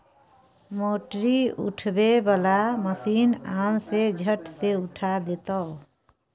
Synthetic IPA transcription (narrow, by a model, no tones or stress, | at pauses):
moːʈɾiʊ̰ʈʰbebəlaməsiːnaːnsed͡ʒʱəʈseʊʈʰad̪et̪əː